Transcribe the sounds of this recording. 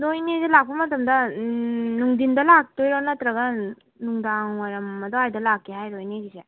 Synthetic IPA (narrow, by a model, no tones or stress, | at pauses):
nojnezelak̚pɐmɐtɐmdɐ | nuŋdindɐlak̚tojɾanɐtɾɐɡɐ | nuŋdaŋwaɾɐmːɐdɔajdɐlakːiɦajɾojneɡize